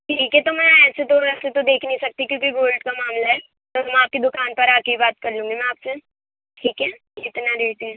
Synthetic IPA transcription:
ʈʰiːkɦɛt̪omɛ̃ɛːset̪oɾɐset̪od̪eːkʰneisɐk̚t̪ikjõːkiɡoːlɖkamaːmlaɦɛ | t̪oɦɐmɛaːp̚ked̪ʊkaːnpɐɾaːkeibaːt̪kɐɾlũːŋɡemɛ̃aːpse | ʈʰiːkɦɛ | ɪt̪naɾeːt̪iɛ

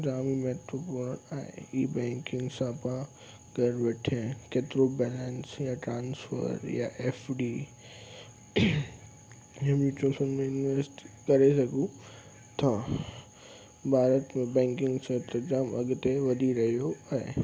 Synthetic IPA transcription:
d͡ʑaːmimeːʈɾopoːɾna̰ːɦḛiːbɛ̃ːŋkɪ̃ŋɡsãpã | ɡʱɐɾʋeːʈʰẽkeːt̪ɪɾobɛːlə̃nsjaʈɾãːnsfə̰ɾjaʔɛːfɖiː | jemit͡ʃoːsənmẽɪnʋesʈi̥kɐɾesɐɡʱũ | t̪ʰa | bʱaːɾət̪mẽbɛ̃ːŋkɪ̃ŋɡsɐt̪ɐd͡ʑaːmɐɡt̪eʋɐd̪ʱiɾɐɦijoaːɦḛ

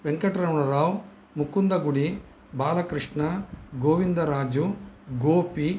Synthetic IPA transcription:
ʋeŋkɐʈɾɐwɳɐɾaːw | mukːund̪ɐɡuɽi | baːlɐkɾiʂɳɐɡoːʋind̪ɐɾaːd͡ʒuɡoːpi

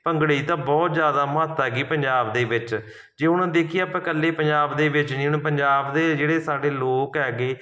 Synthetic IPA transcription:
pəŋɡɽiːt̪ãːbɔːt̪zjaːd̪aːmat̪ːɛːɡiːpəɲd͡ʒaːbd̪eːʋɪt͡ʃ | d͡ʒeːʊnãːd̪eːkʰijeaːpɛ̃ːkəlːeːpəɲd͡ʒaːbd̪eːʋɪt͡ʃnĩːnpəɲd͡ʒaːbd̪eːd͡ʒeːɽeːsaːɖeːloːkɦɛːɡeː

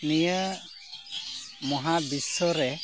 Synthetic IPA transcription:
nijə | mɔɦabisːɔɾɛ

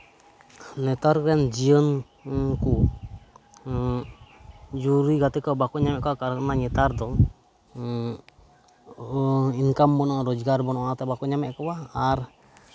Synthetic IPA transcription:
nɛt̪aɾkɛnd͡ʒiɔn | ku | d͡ʒuɾiɡat̪ɛkabakuɲamɛʔkawakaɾnaɲɛt̪ard̪ɔŋ | iŋkambɔnɔɾɔd͡ʒɡarbɔnɔʔat̪ɛbakɔɲamɛʔkɔwaːr

